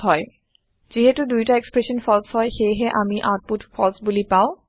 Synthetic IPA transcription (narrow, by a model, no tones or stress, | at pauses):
ɦɔj | z̥iɦɛtʊdujtaekspɹesɔnpʰɔlshɔjxejɦɛʔamiʔat̚putpʰɔlsbulipaʊ̃